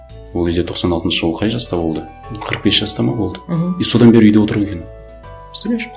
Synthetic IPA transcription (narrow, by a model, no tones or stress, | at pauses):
wolˠʲezd̪et̪ʰo̞qsɑnɑlˠt̪ənʃəʒəlˠəqʰɑjʒɑst̪ɑbo̞lˠd̪ə | olˠqʰəɾəq̚be̞sʒ̥ɑst̪ɑmɑbo̞lˠd̪əijso̞d̪ɑnbe̞ɾɪʏjd̪eo̞t̪əɾue̞kʲe